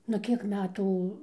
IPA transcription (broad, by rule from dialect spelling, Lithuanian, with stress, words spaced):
nʊ ˈkʲiɛk ˈmʲæːtuː